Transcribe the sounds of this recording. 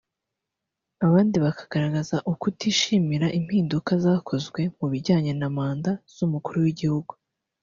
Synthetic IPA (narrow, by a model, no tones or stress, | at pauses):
aβaːndiβakḁɡ̥aɾaɡazaʔukutiːʃimiɾaʔim̥hiːndukazaːkʰo̞zɡwe̞muβiɟaːɲe̞namaːndaz̥umukuɾuwiɟihuɡu